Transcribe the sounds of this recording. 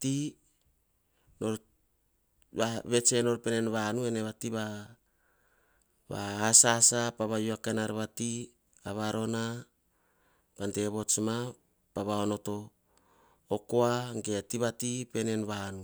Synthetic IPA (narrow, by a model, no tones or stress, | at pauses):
ti | no̞ɾ | βaβe̞t͡ʃe̞no̞ɾpene̞nβanue̞ne̞βatiβa | βa̰asasapaβajuakenaɾβati | aβaɾo̞na | pante̞βo̞t͡ʃma | paβaono̞to̞ | koaŋɡeatiβatipe̞ne̞nβanu